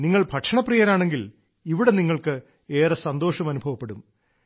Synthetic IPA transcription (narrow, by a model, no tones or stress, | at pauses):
niŋːɐɭbʱɐʈʂɐɳɐprijɐnaːɳe̞ŋɡil | iʋiɽe̞niŋːɐɭkɨ | eːrɐsɐnd̪o̞ːʂɐmɐnubʱɐʋɐpːeɽum